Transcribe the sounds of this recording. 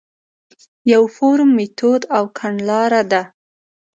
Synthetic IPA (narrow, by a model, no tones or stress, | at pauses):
jawfoɾmːet̪ʰod̪awkʰaɳlɑɾad̪a